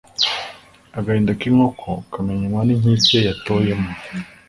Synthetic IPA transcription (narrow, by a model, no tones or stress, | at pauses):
aɡahiːndakiŋokʰokameɲaɲwaniɲisejatoje̞mo